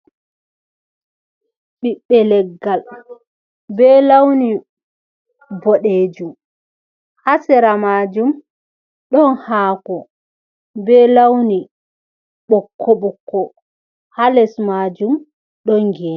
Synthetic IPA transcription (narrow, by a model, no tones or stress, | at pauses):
ɓiɓːɛlɛɡːal | bɛːlawni | bɔɗeːd͡ʒum | hasɛɾamad͡ʒum | ɗɔnhaːkɔ | bɛlawni | ɓɔkʰːɔɓɔkʰːɔ | halɛsmad͡ʒum | ɗɔnɡɛ